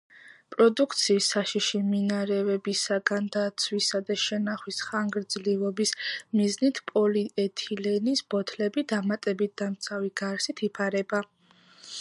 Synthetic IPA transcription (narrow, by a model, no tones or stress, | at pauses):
pʼɾɔd̪ukʰt̪sʰiːsːaʃiʃiminaɾɛvɛbisaɡand̪at̪sʰwisad̪aʃɛnaχwisχaŋɡɾd̪zlivɔbismiznit̪ʰpʼɔliɛt̪ʰilɛnisb̥ɔt̪ʰlɛbid̪amat̪ʼɛbit̪̚d̪̥amt̪sʰaviɡ̥aɾsit̪ʰipʰaɾɛba